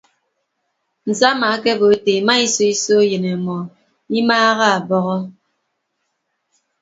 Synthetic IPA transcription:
n̩˨za˦ma˨˦kɛ˦bo˨˦te˨ma˦i˦so˦i˦so˦je˨ne˨mɔ˨ | i˦maː˦ɣa˦a˨bɔ˨ɣɔ˦

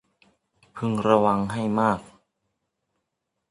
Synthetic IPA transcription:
pʰɯ˧ŋɾa˧wa˧ŋɦa˥˩jmaː˥˩k̚

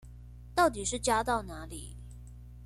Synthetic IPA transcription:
t̪ɑ˥˩ʊt̪i˨˩ʂɻ̩˥˩t͡ɕja˥t̪ɑ˥˩ʊna˧˥li˨˩˦

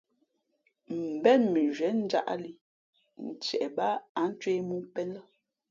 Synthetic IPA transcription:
m̩˨bɛ˦˨nmi˨ʒɥɛ˨˦n̩˦d͡ʒa̰˦ʔli˨ | n̩˨t͡ʃɛ˨ʔba˦a˨˦n̩˦t͡ʃɥe˦mu˦pɛ˦nlə˦

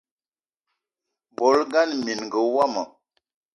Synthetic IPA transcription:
bo˨˦lɡa˦nmi˨n˨ɡə˨˦wa˦mə˨

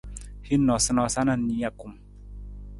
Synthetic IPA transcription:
hi˦nːɔ˨sə˦nɔ˨sa˦na˨nːi˨˦ja˨ku˨m

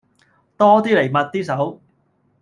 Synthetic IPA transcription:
t̪ɔː˥t̪iː˥le˨˩jmɐ˨t̚t̪iː˥sɐ˨˥w

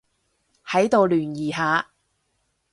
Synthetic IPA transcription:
hɐ˨˥jt̪o˨wlyː˨˩njiː˨˩ɦaː˨˧

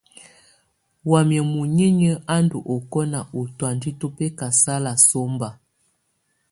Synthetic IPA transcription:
wa˨mjɛ˨mu˨ɲi˦ɲə˦a˦ndu˨ʔo˨kɔ˦na˨ʔo˨twa˨ndi˦to˦pɛ˦ka˨sa˦la˨so˦mba˨

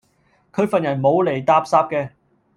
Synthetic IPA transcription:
kʰɵ˨˧˥ɥfɐ˨njɐ˨˩nmo˨˧wle˨˩jt̪aː˧p̚saː˧p̚kɛː˧

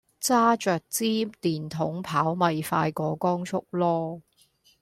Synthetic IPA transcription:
t͡saː˥t͡ʃœː˨k̚t͡siː˥t̪iː˨nt̪ʰʊ˨˥ŋpʰaː˨˥wmɐ˨jfa̰ː˧jkɔː˧kɔː˥ŋt͡ʃʰʊ˥k̚lɔː˥

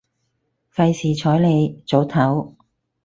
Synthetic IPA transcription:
fɐ˧jsiː˨˩t͡ʃʰɔː˨˥jle˨˧jt͡so˨˥wt̪ʰɐ˨˥w

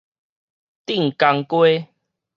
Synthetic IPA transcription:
t̪i˥˨ŋka˧ŋkwe˦

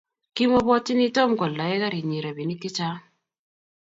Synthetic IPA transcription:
ki˦mo˦bɔ˦tɪ˦ni˦to˦mɡɔ˨la˨ɛ˦ka˦ɾi˨ɲi˨ɾa˨bi˨ni˦kɪ˦t͡ʃa˦

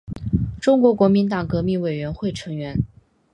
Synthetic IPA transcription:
ʈ͡ʂʊ˥ŋkwɔ˧˥kwɔ˧˥mi˧˥nt̪ɑ˨˩ŋkɤ˧˥mi˥˩ŋwe˨˩ɪɥɛ˧˥nxwe˥˩ɪʈ͡ʂʰɤ˧˥ŋɥɛ˧˥n

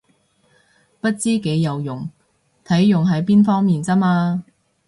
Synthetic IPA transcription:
pɐ˥t̚t͡siː˥ke˨˥jːɐ˨wjʊ˨˩ŋ | t̪ʰɐ˨˥jːʊ˨ŋɦɐ˨˥jpiː˥nfɔː˥ŋmiː˨nt͡sɐ˥maː˧

